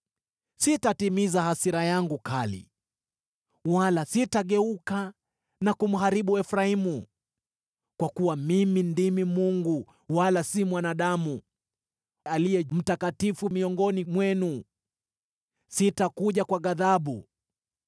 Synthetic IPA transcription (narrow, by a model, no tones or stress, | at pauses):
sitatimizahasiɾajaŋɡukalḭ | walasitaɠɛuka | nakum̩ɦaɾiɓuɛfɾaimu | kwakuwamimindimimuŋɡu | walasimwanaɗamu | alijɛm̩takatifumiɔŋɡɔnimwɛnu | sitakuʄakwaɠaðaɓu